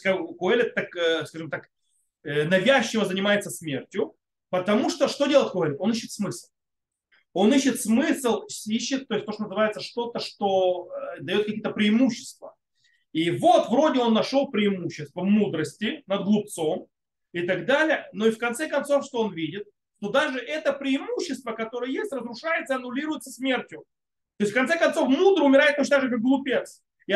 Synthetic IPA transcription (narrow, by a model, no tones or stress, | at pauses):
kakʊelʲɪt̪ːakəskaʐɨmt̪ak | ənɐvʲæɕːɪvəzənʲɪmajɪt̪səsmʲe̞rtʲjʊ | pət̪ɐmuʂt̪oʂt̪o̞dʲelˠəɪt̪̚ʲkʊelʲɪt̪o̞niɕːɪt̪smɨsʲlˠ | o̞niɕːɪt̪smɨslˠsʲiɕːɪt̪̚tːojsʲt̪oʂt̪onəzɨvajɪt̪səʂt̪o̞t̪əʂt̪o̞əd̪ɐjo̞t̪kɐkʲijət̪əpɾʲɪɪmuɕːɪ̥st̪və | ivo̞t̪vɾo̞dʲɪo̞nːɐʂolˠpɾʲɪɪmuɕːɪst̪vəvmud̪ɾəsʲtʲɪnəd̪̚ɡlˠʊp̚t̪so̞m | ɪt̪ɐɡd̪alʲɪjəno̞ifkɐnt̪sɛkɐnt̪so̞fʂt̪o̞onvʲidʲɪt̪̚ | ʂt̪o̞d̪aʐɨʔɛt̪əpɾʲɪːmuɕːɪst̪vəkɐt̪o̞ɾəjəjesʲtʲrəzɾʊʂajɪt̪səɨɐnʊlʲiɾʊjɪt̪səsmʲe̞rtʲjʊ | t̪o̞jɪsʲtfkɐnt̪sɛkɐnso̞fmud̪ɾəɨʊmʲɪɾaɪt̪t̪ːot͡ɕɪnd̪aʐɨkak̚ɡlˠʊpʲet̪s | ɪ